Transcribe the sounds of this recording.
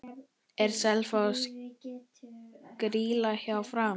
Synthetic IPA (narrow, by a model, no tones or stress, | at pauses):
ɛɾsɛlfas | kɾiːlaçawfɾaː